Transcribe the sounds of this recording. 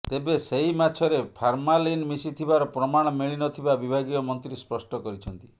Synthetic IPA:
t̪ebeseimat͡ʃʰɔɾepʰaɾmalinmisit̪ʰibaɾɔpɾɔmaɽ̃ɔmiɭinɔt̪ʰibabibʱaɡijɔmɔnt̪ɾispɾɔsʈɔkɔɾit͡ʃʰɔnt̪i̥

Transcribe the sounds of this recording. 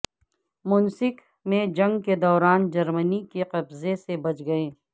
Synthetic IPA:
mʊnsɪk | mẽd͡ʒɐ̃ŋɡked̪ɔːɾaːnd͡ʒɐɾmənikeqɐbzesebɐt͡ʃɡɐeː

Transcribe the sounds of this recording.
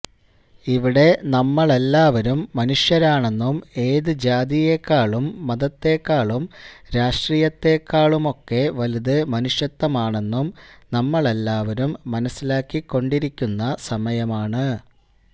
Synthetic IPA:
iʋiɽe̞nɐmːɐɭelːaːʋɐɾumːɐnuʂjɐɾaːɳe̞nːume̞ːðɨd͡ʑaːd̪ijekːaːɭumːɐðɐt̪ːe̞ːkːaːɭumɾaːʂʈrijɐt̪ːeːkːaːɭumo̞kːe̞ʋɐliðɨmɐnuʂjɐt̪ːɐmaːɳe̞nːumnɐmːɐɭelːaːʋɐɾumːɐnɐsːilaːkːikːo̞ɳɖiɾikʲːunːɐsɐmɐjɐmaːɳɨ

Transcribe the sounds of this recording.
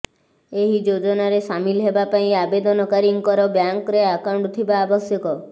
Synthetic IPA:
eɦid͡ʒod͡ʒɔnaɾesamilɦebapaĩabed̪ɔnɔkaɾiŋkɔɾɔbjaŋkɾeakawɳɖt̪ʰibaːbɔsjɔkɔ

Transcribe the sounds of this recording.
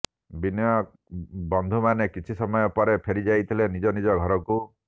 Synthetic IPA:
binjɔ | bɔnd̪ʱumanekit͡ʃʰisɔmɔjɔpɔɾepʰeɾid͡ʒajt̪ʰilenid͡ʒɔnid͡ʒɔɡʱɔɾɔku

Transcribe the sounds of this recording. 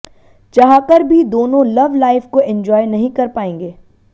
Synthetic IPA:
d͡ʒɐɦãkɐɾbʱid̪oːnõlɐʋlaːɪfkoʔɪ̃ɲd͡ʒɔːjnɐɦĩkɐɾpaːẽːŋɡeː

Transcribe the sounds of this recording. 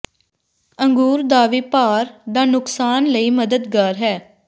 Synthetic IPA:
əŋɡuːɾd̪aːʋiːpaːɾd̪aːnʊksaːnləiːməd̪əd̪ɡaːɾɦɛː

